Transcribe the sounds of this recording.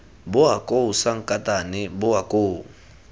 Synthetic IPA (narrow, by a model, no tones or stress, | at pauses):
bʊakʼousaŋ̩kʼatʼanɪbʊwakʼoːu